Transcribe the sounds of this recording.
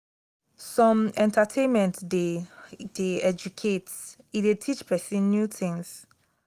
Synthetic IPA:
sɔ̃mɛ̃ntʰatʰẽnmɛ̃ntded̥eɛd͡ʒukʰet | idetʰit͡ʃpʰɛsĩnːjutʰĩŋs

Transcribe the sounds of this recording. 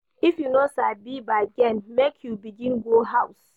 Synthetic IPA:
ifjunosabibaɡɛ̃nmekʰjubiɡĩnɡoɦaws

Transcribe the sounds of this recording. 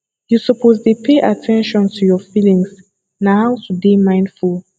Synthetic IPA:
jusɔpʰozdupʰeʔatʰɛ̃nʃɔ̃ntʰujɔfilĩŋs | nahaʊtʰudemãɪ̃ndfulˠ

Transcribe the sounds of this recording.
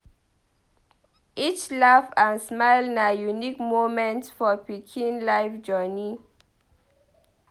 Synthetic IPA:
it͡ʃlafãnsmajlnajunikmomɛ̃ntfɔpikʰĩnlajfd͡ʒɔni

